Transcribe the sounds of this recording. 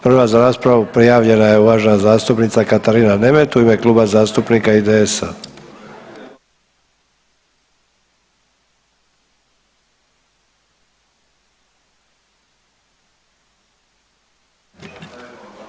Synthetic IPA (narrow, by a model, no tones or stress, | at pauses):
pr̩ʋazaɾaːspɾaʋupɾijaːʋʎe̞naje̞uʋaːʒenazaːst̪upnit̪sakat̪aɾiːnane̞met̪uime̞kluːbazaːst̪upnikaid̪eesa̰